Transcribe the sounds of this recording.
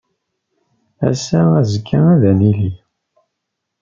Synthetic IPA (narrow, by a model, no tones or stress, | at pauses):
æ̰sææzəkʰːaæðænili